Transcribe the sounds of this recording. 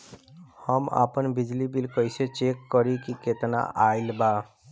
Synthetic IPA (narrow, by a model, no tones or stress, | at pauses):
həma̰ːpənbɪd͡ʒlibilkəɪset͡ʃekːəɾikiket̪na̰ʔaɪlba